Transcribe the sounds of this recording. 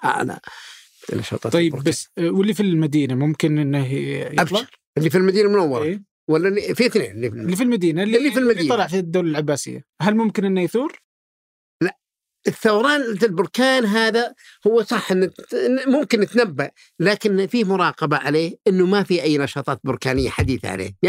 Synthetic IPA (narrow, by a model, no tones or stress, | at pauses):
ʔa̰ʔla̰ | nɑ̰ʃɑ̰ːt̪ˤɑːt̪ˤjːɪbɾbasːwɪlːifilmad̪iːnamʊmkɪnʔɪnːɪhjʔablɑ | ʔɪlːifilmad̪iːnamʊnawːɑɾˤɑ | walːaifiθnḛːnʔɪlːifilːifilmad̪iːnalːɪlːifilmad̪iːnɑlɑʕfid̪ːoːlalʕabːaːsɪ̰jːa̰ɦalmʊmkɪnʔɪnːajθuːɾ | laʔ | ʔɪθːawɾˤɑːnalbʊɾˤkaːnɦaːðahʊwːsˤɑħːʔɪnːmʊmkɪnːɪt̪nabːaʔ | laːkɪnfiːmʊɾˤɑːqɑbaʕaleːhʔɪnːʊmafiʔajːnɑʃɑːt̪ˤɑːt̪bʊɾkaːnɪjːa̰ħad̪iːθa̰ʕa̰lḛː